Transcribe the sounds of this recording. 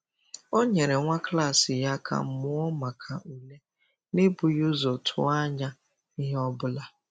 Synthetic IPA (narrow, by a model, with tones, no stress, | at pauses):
o˦ɲe˨ɾe˨ŋʷa˦kla˦˨sɪ˨ja˦kʰa̰˨m̩˦mʊ˦ɔ˦ma˨kʰa˨ʔu˨le˦ | ne˦bʊ˨jo˦zɔ˨tʰʊ̰˦a˦ɲa˦ | ɪ˦ɦɔ˦bʊ˦la˦